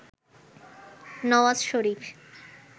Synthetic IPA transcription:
nɔwazʃoɾif

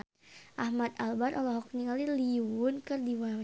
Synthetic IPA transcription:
ʔahmat̪̚albat̪ʔɔlɔɦɔk̚nikaliliunkərdiwa

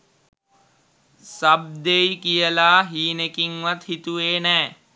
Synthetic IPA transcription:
sab̚d̪ejkijəlaːɦiːnekiŋʋat̪hit̪uʋeːnɛː

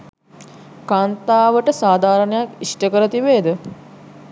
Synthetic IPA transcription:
kaːnt̪aːʋəʈəsaːd̪ʱaːɾənəjakisʈəkəɾət̪iʋeːd̪ə

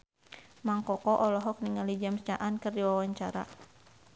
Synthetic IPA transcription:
maŋkɔkɔʔɔlɔɦɔk̚niŋalid͡ʒamst͡ʃaʔankɨrdiwawaɲt͡ʃaɾa̰

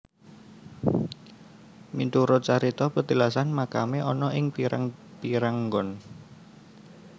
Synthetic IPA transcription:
mint̪uɾot͡ʃaɾit̪ɔpət̪əlasanmakameʔɔnɔʔɪŋpiɾa̰ŋpiɾaŋɡɔn

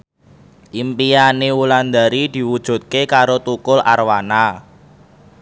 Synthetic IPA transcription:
ʔimpijanewuland̪aɾid̪̥i̤wud̥ʒ̥ṳt̪̚kekaɾot̪ukʊlʔa̰rwana

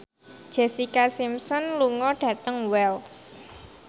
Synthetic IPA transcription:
d̥ʒ̥ɛsikasimsɔnluŋɔɖ̥ä̤t̪əŋwɛls

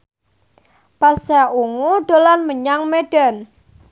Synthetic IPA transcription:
pasaʔuŋuɖ̥olanməɲaŋmeɖ̥ɛn

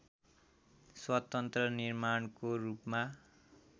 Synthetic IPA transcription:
swʌt̪ʌnt̪rʌnirmankorupma

